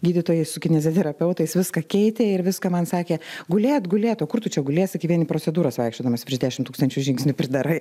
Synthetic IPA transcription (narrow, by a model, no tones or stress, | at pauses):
ɡʲiːd̪ʲɪt̪oːjɛɪsʊkʲɪnʲɛzʲoːt̪ʲɛɾɐpʲɛʊt̪ɐɪsʋʲɪskɐkʲɛɪt̪ʲeːɪɾʋʲɪskɐmɐnsɑːkʲeːɡʊlʲeːt̪ɡʊlʲeːt̪oːkʊrt̪ʊt͡ʃʲɛɡʊlʲeːsʲɪkʲɐɪʋʲiɛnʲɪpɾoːt͡ssʲɛd̪uːɾɐsʋɐɪkʃʲt͡ʃʲoːd̪ɐmɐspʲɾʲɪʒdʲæːʃʲɪmt̪uːkst̪ɐnʲt͡ʃʲuːʒʲɪŋksʲnʲʊpʲɾʲɪd̪ɐɾɐɪ